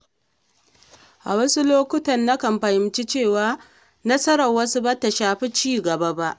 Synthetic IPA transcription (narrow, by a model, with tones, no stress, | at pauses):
ʔa˨wɐ˦su˦loː˦kʷʊ˦tɐ˨nːa˦kɐ˨mɸɐ˨jɪ˨mt͡ʃi˦t͡ʃeː˦˨waː˦ | nɐ˦sɐ˦ɾɐ˨wɐ˦su˦bɐ˦ta˨ʃaː˨ɸi˦t͡ʃiː˦˨ɡɐ˨ba˦ba˦ʔ